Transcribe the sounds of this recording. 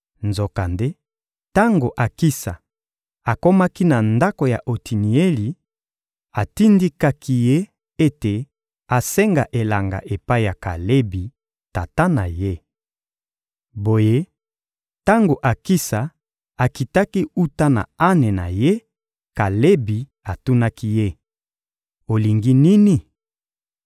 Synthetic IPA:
nzo˨ka˨nde˦ | ta˦ŋɡo˨ʔa˨ki˦sa̰˨ | a˨ko˦ma˦ki˦na˨nda˦ko˨ja̰˨ʔo˨ti˨ni˨e˦li˨ | a˨ti˦ndi˦ka˦kʰi˦je˦ | e˦te˨ | a˨sɛ˦ŋɡa˨ʔe˨la˨ŋɡa̰˨ʔe˨pa˦i˨ja˨ka̰˨le˦bi˨ | ta˨ta˦na̰˨je˦ | bo˨je˦ | ta˦ŋɡo˨ʔa˨ki˦sa˨ | a˨ki˨ta˦ki˦u˦ta˦na̰˨a˦ne˨na̰˨je˦ | ka˨le˦bi˨ | a˨tu˦na˦ki˦je˦ | o˨li˨ŋɡi˦ni˦ni˦

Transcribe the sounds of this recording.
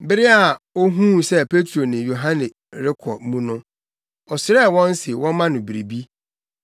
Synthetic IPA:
bɪ˦ɾɪ˦a˨o˦ɦũ˦sɛ˦pʰe˦tʰɾo˨nɪ̃˨jo˨ɦã˦nɪ̃˨ | ɾɪ˦kʰɔ˨˦mũ˦nʊ̃˦ | ɔ˨sɪ˨ɾɛ˦˨wɔ̃˦n˦sɪ˨wɔ̃˦mã˦nʊ̃˨bi˨ɾi˨bi˦

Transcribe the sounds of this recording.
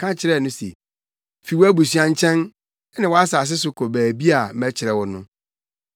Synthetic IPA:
kʰã˦t͡ɕʰɪ˨ɾɛ˦˨nʊ̃˦sḛ˨ | fi˨wɔ˦æ˦bu˨sɥã˦ɲ̩˦t͡ɕʰɛ̃˦n˦ | nɪ̃˨wɔ˨˦a˦sa˨s̬ɪ˦s̬ʊ˨kʰɔ˨bæː˨bi˦a˨˦mæ̃˦t͡ɕʰɪ˨ɾɛ˨wɔ˨nʊ̰̃˦

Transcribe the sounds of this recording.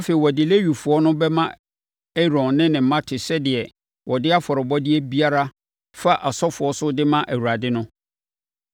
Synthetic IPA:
a˦fe˨i˨wɔ˨dɪ˨le˦ɥu˨fʊ˨ɔ˦nʊ̃˦bɛ˦mã˦ | ɛ˦ɾɔ̃˨nːɪ̃˦nɪ̃˨m˨mã˦tʰɪ˨sɛ˦dɪ˨ɛ˨ | wʔɔ˨dɪ˦a˦fɔ˨ɾɪ˨bɔ˦dɪ˦ɛ˦bi˦a˦ɾa˦ | fa˦ʔa˨sɔ˦fʊ˨ɔ˦sʊ˦dɪ˦mã˦ʔæ˨wu˨ɾa˨dɪ˦nʊ̃˦

